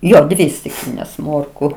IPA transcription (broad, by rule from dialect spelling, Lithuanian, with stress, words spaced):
ˈjoː ˈdʲʋʲɪ sʲtʲɪkˈlʲiːnʲeːs ˈmoːrkʊ